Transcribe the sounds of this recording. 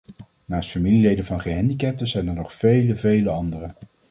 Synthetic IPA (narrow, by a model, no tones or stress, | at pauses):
naːstfamililejdənvɑnχəɦɛndikɛp̚təzɛjnəɹnɔχfejləvejləɑndərə